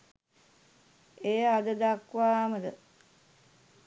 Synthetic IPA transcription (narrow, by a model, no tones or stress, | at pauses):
eːad̪əd̪akʋaːməd̪ə